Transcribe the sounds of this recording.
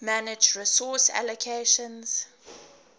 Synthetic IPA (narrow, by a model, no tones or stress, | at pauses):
manɪd͡ʒɹisɔsa̰lɔkʰeʃə̃nz̥